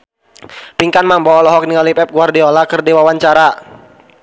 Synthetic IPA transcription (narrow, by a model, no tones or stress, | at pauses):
piŋkanmambɔːlɔɦɔk̚niŋalipɛp̚ɡuardiɔlakərdiwawaɲt͡ʃaɾa